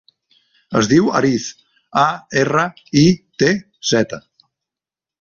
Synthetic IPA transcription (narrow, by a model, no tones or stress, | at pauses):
əzðiwəɾiθ | aerə | it̪e | z̥ɛt̪ə